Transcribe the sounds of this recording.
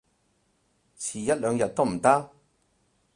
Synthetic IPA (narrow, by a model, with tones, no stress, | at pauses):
t͡sʰiː˨˩jɐ˥t̚lœː˨˧ŋjɐ˨t̚t̪ːo˥m̩˨˩t̪aː˥